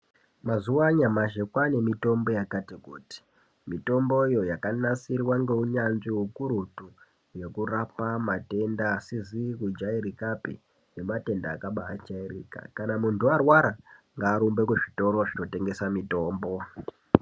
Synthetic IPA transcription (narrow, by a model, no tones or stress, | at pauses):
mazuwaɲamaʒekwane̞mito̞mbo̞jakatikuːti̥ | mito̞mbo̞ijo̞jakanasirwaŋɡe̞uɲanʐiwukuɾutu | je̞kurapamate̞ndaːsizikud͡ʒaiɾikapḛ | jemate̞ndaːkaɓaːd͡ʒairḭːka̰kanamuntʰuarwaɾaŋɡaːɾumbekuʐito̞ɾo̞ʐino̞te̞ŋɡe̞samito̞ːmbo̞